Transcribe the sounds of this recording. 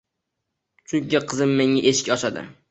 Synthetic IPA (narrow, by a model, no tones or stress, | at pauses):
t͡ʃʰʊɡʲɡʲaqʰɨzɪmːeŋaʔeʃɪ̥kʲɒʃad̪ɪ̰